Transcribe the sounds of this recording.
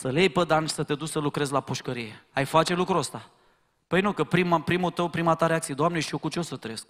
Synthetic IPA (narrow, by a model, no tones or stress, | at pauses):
səlejpəd̪ani̥sət̪ed̪ut͡ʃsəlukɾe̞zlapuʃkəɾije̞ajfat͡ʃe̞lukɾuəst̪a | pəjnukəpɾimapɾimut̪əwpɾimat̪aɾeak̪̚sije̞d̪oamneʃiokut͡ʃeosət̪ɾe̞sk